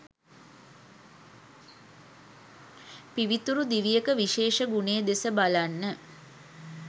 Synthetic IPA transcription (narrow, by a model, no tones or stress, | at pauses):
piʋit̪uɾud̪iʋijəkəʋiʃeːʃəɡuneəd̪esəbalanːə